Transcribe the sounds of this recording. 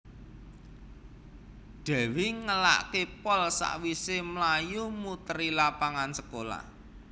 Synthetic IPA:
ɖ̪̥ɛ̤wiŋəla̰ʔkepɔlsa̰ʔwisemlajumut̪əɾilapaŋansəkola̰h

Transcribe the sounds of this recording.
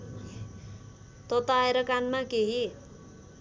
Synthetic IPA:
t̪ʌt̪aeɾʌkanmakeɦi

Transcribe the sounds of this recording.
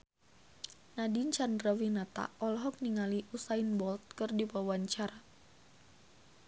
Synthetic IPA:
nadiɲt͡ʃandrəwinat̪a̰ɔlɦɔk̚niŋaliʔusainbɔlt̪̚kɨrdipawaɲt͡ʃaɾa

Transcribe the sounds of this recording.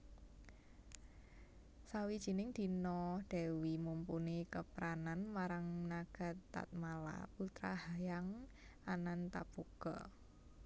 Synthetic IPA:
sawid̥ʒ̥i̤nɪŋd̪̥i̤nɔd̪̥ɛ̤wimumpunikəpɾananmaɾaŋnaɡ̥a̤t̪ːa̰t̪̚mala̰put̪ɾa̰hajaŋ | ʔanant̪a̰b̥oɡ̥ɔ̰

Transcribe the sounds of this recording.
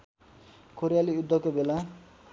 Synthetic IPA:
koɾijaliud̪ʱːʌkobela

